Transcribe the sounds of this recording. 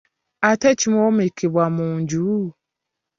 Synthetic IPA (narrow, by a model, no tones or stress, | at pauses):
atɛt͡ʃʰimɔ̃wɔmikʰebwamũɲd͡ʒu